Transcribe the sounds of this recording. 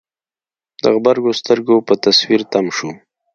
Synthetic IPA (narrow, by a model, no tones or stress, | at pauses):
d̪ə̰ɣbaɾɡost̪əɾɡopət̪aswiɾt̪amʃu